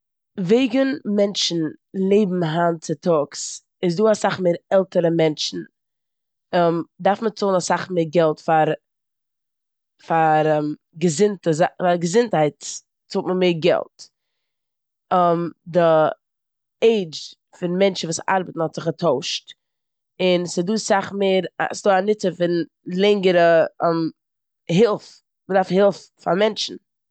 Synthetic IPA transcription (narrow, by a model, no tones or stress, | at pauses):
veɪɡənmɛnt͡ʃn̩lˠeɪbm̩ɦant͡sɪtʰɔks | ɪs̬duːasaχmeːɾɛlˠtəɾəmɛnt͡ʃn̩ | ɛmdaɾfmət͡soːlˠnasaχmeɪɾɡɛlˠtfaɾ | faɾɛm | ɡəzɪntəzaaɡəzɪnthaɪt | t͡soːtməmeːɾɡɛ̰lˠt | əmdɪ | eɪd͡ʒ | fɪnmɛnt͡ʃn̩vuːsa̰ɾbətn̩hɔtz̥ɪχətʰoʊʃt | ɪnsɪduːsaχmeːɾa̰sɪdoːanɪt͡səfɪn | lˠɛŋɡəɾəɛm | ɦɪlˠf | mədaɾfhɪlˠf | fa̰ɾmɛnt͡ʃn̩